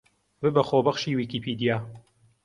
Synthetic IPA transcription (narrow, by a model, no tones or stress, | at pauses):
bɨbɐxoːbɐχʃiːwiːkipʰid̪ijaː